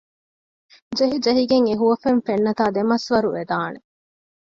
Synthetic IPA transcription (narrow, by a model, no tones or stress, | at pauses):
d͡ʒeɦid͡ʒɐɦiɡeŋeɦuʋɐfenfenːɐt̪aːd̪emɐsʋɐɾued̪aːne